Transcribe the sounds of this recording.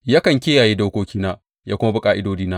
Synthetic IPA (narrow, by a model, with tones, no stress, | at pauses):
jaː˦kɐ˨ŋkʲɪː˦jaː˨jiː˦da˦wkʷoː˦kʲiː˦naː˦ | jaː˦kʷʊ˦ma˦bʊ˨kʼaː˦ʔɪ˦doː˦diː˦naː˦ʔ